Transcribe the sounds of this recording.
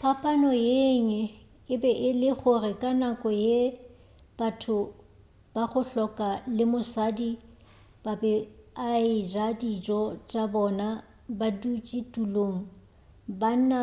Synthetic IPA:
papʼanɔjeɲɛ | ɪbɛʔɪlɪχʊrɪkʼanakʼɔje | b̥atʰʊ | b̥aχʊɬɔkʼalɪmʊsadi | b̥abɛaɪd͡ʒadid͡ʒʼɔt͡ʃʼabɔna | badut͡ʃʼitʼuloŋ̩ | ban̩na

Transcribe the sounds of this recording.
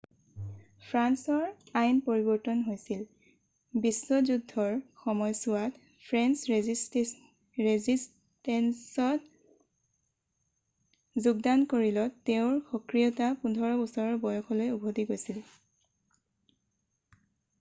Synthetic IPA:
pʰɹansɔɹajnpoɹibɔɹtɔnɦojsil | bisːɔzudʱɔɹxɔmɔjsʊwat | pʰɹɛnsɹezist | ɹezis | tɛnsɔt | zuɡ̚dankoɹilɔteʊ̃ɹxɔkɹijɔtapundʱɔɹɔbɔsɔɹɔbɔjɔxʰɔlojubʱodiɡojsil

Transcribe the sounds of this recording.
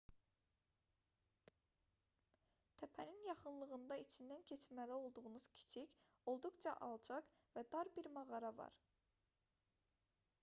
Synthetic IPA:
t̪ʰæpʰæninjɑχɯnlˠɯɣɯnd̪ɑit͡ʃʰind̪æncʰe̞t͡ʃmælæo̞lˠd̪uʁunuz̥cʰi̥t͡ʃʰic | o̞lˠd̪uqt͡ʃɑ̰ʔɑlˠd͡ʒɑq | væd̪ɑɾbiɾmɑɣɑɾɑvɑ̰ɾ

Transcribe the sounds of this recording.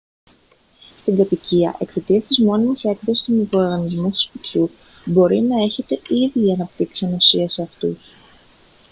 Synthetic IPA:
st̪iŋɡɐt̪iciɐ̰ʔe̞kse̞t̪iɐst̪izmo̞nimisek̪tosist̪umikɾo̞ːɾɣɐnizmust̪u̥spit̪çu | bo̞ɾinɐe̞çe̞t̪e̞iðiːɐnɐp̚t̪iksiɐnosiɐseɐft̪ṵs

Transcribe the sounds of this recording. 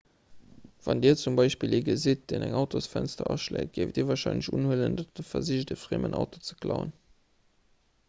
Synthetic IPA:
vɑndiːɐt͡sumbɑɪʃpiːliːɡəzit̚d̥eːnæŋɑʊtʰosfænstɐʔɑʃlḛːt̚ɡ̥eɪftdiːɐvɑːɐʃɑɪnləɕunhələndɑd̥əfɐziʒdəfʁeːmʔənʔɑ̰ʊtot͡sə̥kʰlɑʊə̰n

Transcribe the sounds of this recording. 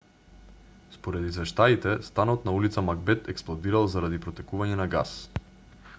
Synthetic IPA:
spoɾɛd̪izvɛʃt̪ait̪ɛst̪anɔt̪naulit̪samaɡ̚bɛt̪ɛksplˠɔd̪iɾalˠzaɾad̪ipɾɔt̪ɛkuvaɲɛnaɡa̰s

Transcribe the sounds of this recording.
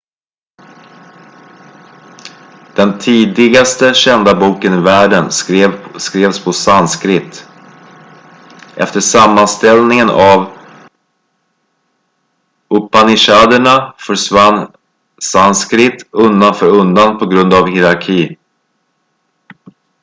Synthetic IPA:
d̪̥ɛnt̪ʰiːd̪ɪɡast̪əɕɛnd̪abuːkənɪvæːɖən | skɾeːvspʰɔsanskɾɪt̪ː | ʔɛft̪əʂamːanst̪ɛlnɪŋənʔav | ʊpanɪʂaːd̪əɳafœʂvanː | sanskɾɪt̪ɵnd̪anfœːɾɵnd̪anpʰɔɡɾɵnd̪avhɪɾaɾkʰiː

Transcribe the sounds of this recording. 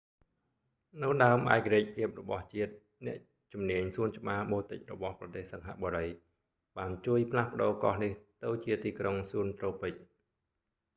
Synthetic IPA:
nɨwɗaəmʔa̰ɛkaɾiəc̚pʰiəp̚rɔɓɑht͡ɕiət̪̚ | nɛ̆əʔ | t͡ɕumniəɲsuənt͡ɕə̆ɓaːɓoːt̪ɨc̚rɔɓɑhprɑt̪eːhsɑŋɦa̰ʔɓoɾəj | ɓaːnt͡ɕuəjpʰlahpə̆ɗoːkɑ̰hniht̪ɨwt͡ɕiət̪iːkroŋsuənt̪roːpɨc̚

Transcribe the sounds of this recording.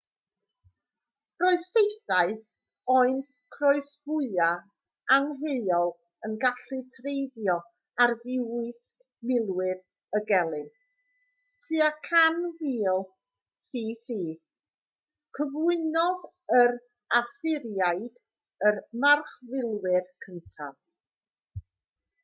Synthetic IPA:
rɔɨðsejθaɨ | ɔɨn | kʰrɔɨsvʊɨa | aŋɦeɨɔlˠ | ənɡaɬɨtʰrejdjɔ | arvɪwɨsk | mɪlˠwɪð | əɡɛlˠɨn | tʰiakʰanwiːlˠ | siːsiː | kʰəvʊɨnɔð | ərɾ | asɪɾjajd̥ | ərmarχvɪlˠwɪrkʰəntʰa̰v

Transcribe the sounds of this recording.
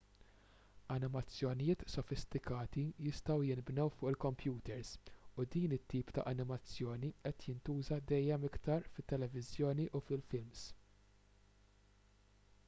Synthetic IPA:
ɐnɪmɐt͡sːjɔnɪjɪːt̪sɔfɪst̪ɪkɐːt̪ijɪst̪ɐwjɪnbnɛwfʊːʔɪlkɔmpjuːt̪ɛɾsʊd̪iːnɪt̪ːiːpt̪ɐ̰ʔɐnɪmɐt͡sːjɔːniʔɛt̪jɪnt̪uːzɐd̪ɛjːɛmɪkt̪ɐɾfɪt̪ːɛlɛvɪzjɔːniʔufɪlfɪlms

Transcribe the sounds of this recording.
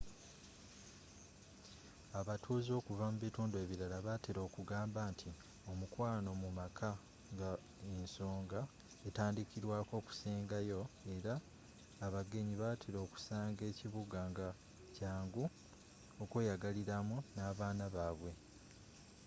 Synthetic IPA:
aβatʰuːzo̞ːkuvamuβituːndue̞ːβiɾalaβateɾo̞ːkuɡaːmbaːntʰi | o̞mukwaːno̞mumakʰa | ŋɡa | enso̞ːŋɡa | etaːndikiɾwaːko̞ːku̥seːŋɡajo̞e̞ɾaː | βaɡe̞ɲiβatʰeɾo̞ːku̥saːŋɡe̞ːciβuɡaŋɡa | caːŋɡu | okejaɡaliɾamunaːβaːnaβaβwe̞

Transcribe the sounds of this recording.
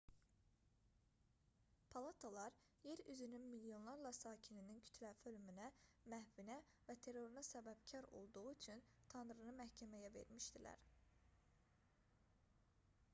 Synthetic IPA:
pʰɑlˠɑt̪ʰalˠɑɾ | je̞ɾyzynynmiljo̞nlˠɑɾlˠɑsɑːcʰininincʰy̥t̪ʰlæfølymynæmæhvinæ | væt̪ʰe̞ɾo̞ɾunɑsæbæbcʰɑɾo̞̰lˠd̪uʁuyt͡ʃʰynt̪ʰɑnɾɯnɯmæhcʰæmæjæve̞̰ɾmiʃd̪ilæ̰ɾ

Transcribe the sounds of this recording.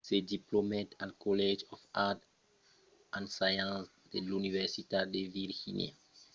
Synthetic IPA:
sediplomɛtalkɔlɛd͡ʒɔfat | ãnsajãs | delunivɛɾsitadeviɾhḭnj̰a̰

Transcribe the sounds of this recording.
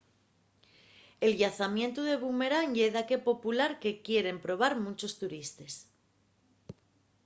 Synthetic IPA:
e̞lʝaθamje̞nt̪uðe̞βume̞ɾaɲʝe̞ðake̞po̞pulaɾke̞kje̞ɾe̞mpɾo̞β̞aɾmũt͡ʃo̞st̪uɾist̪e̞s

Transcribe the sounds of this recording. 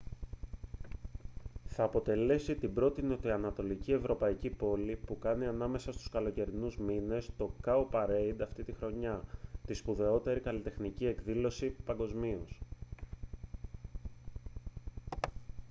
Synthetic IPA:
θɐːpo̞t̪e̞le̞sit̪ibɾo̞t̪iniot̪iɐnɐt̪o̞licie̞vɾo̞pɐicipo̞lipukɐniɐnɐme̞sɐst̪u̥skɐlo̞ce̞ɾinuzmine̞st̪o̞kɐopɐɾeid̪ɐft̪it̪ixɾo̞ɲɐt̪ispuðe̞o̞t̪e̞ɾikɐlit̪e̞xnicie̞kðilo̞sipɐŋɡo̞zmios

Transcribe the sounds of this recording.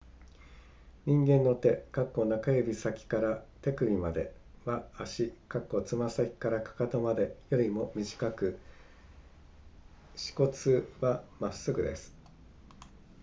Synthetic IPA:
ɲ̟ĩŋɡẽ̞nːo̞t̪e̞kakːo̞nakajobʲisakʲi̥kaɾat̪e̞kɯ̟ɾʲimad̪e̞βaːɕikakːo̞t͡sɨmasakʲi̥kaɾakḁkat̪omad̪e̞jo̞ɾʲimo̞mʲiʑi̥kakɯ̟ | ɕi̥ko̞t͡sɨβamasːɨɡɯ̟d̪e̞̰sɨ̥

